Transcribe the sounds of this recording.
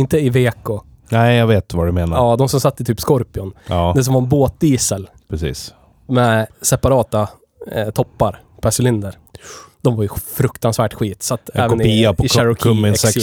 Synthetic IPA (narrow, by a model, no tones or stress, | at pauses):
ɪnt̪əɪveːkʊ | nɛɪjaɡveːt̪vadɵmeːnaɑːd̪ɔmsɔmsat̪ːət̪ʰyːpskɔɾpɪʊnːd̪ɛs̬ɔmvaɾɛnboːt̪̚d̪iːsəl | pʰɾɛsḭːs | mɛsɛpaɾɑːt̪a | t̪ʰɔpːaɾ | pʰæʂɪlɪnd̪əɾ | d̪̥ɔmvaɾjɵfɾɵkt̪ansvæːʈɧiːt̪sat̪ːɛ̰ːvɛnɪiɪʃɛɾʊkʰʊmːɪs